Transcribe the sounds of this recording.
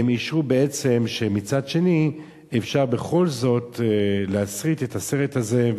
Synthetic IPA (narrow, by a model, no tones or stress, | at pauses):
emiʃʁube̞e̞t͡se̞mʃe̞mit͡sad̪ʃe̞ni | efʃaʁbe̞χo̞lzo̞t̪leasʁit̪etase̞ʁethaze̞